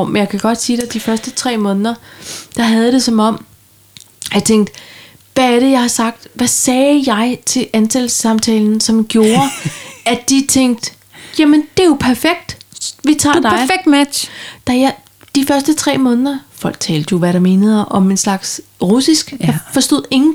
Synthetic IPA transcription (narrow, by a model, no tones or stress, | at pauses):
menjɑ̈ɪkʰæɡ̥ɒ̽d̥siːd̥ed̥ifɶɐsd̥ət͡sʰʁɛ̰ːmɔ̽ːnðˠɐd̥ɑ̈ɦæð̞ˠɾ̥e̝sɒ̽mɒ̽m̰ | jɑɪt͡sʰeŋ̰ɡ̥̚d̥ | ʋææɐɾəjɑ̈ɪhɑ̈sɑ̈ɡ̥̚d̥ʋæsɛːjɑ̈ɪt͡sʰe̝lænt͡sʰelsɑ̈mt͡sʰɛːln̩sɒ̽mɡ̥jo̝ːɐæd̥it͡sʰeŋ̰ɡ̥̚d̥ | jæmənd̥e̝jo̝pʰæɐfeɡ̥̚d̥ʋit͡sʰɑ̰̈ːd̥ɑ̈æɐɪfeɡ̥̚d̥mædɕd̥ɑj | d̥ifɶɐsd̥ət͡sʰʁɛ̰ːmɔ̽ːnðˠɐfɒ̽l̰ɡ̥̚t͡sʰɛ̰ːld̥əjo̝ʋæɾɑ̈me̝ːnəð̞̩ˠʔɒ̽me̝nslɑ̈ɡ̥sʁusisɡ̥jɑfɒ̽sd̥o̝ð̰ˠe̝ŋn̩